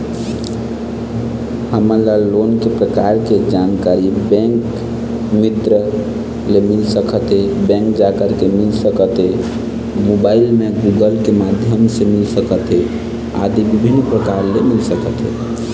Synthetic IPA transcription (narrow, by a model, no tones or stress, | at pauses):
həməɾlalonkepɾəkaɾked͡ʒankaɾibɛ̃ŋk | mit̪ɾə | lemilsəkʰət̪ɦebɛ̃ŋkd͡ʒakəɾkemilsəkət̪ɦe | mobailmeɡuɡəlkemad̪ʱjəmsemilsəkət̪ɦe | a̰d̪ibibʱinːpɾəkaɾlemilsəkət̪ɦḛ